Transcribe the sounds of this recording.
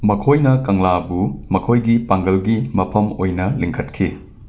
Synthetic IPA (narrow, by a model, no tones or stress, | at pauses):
mɐkʰojnɐkɐŋlabumɐkʰojɡipaŋɡɐlɡimɐpʰɐmojnɐliŋkʰɐtkʰi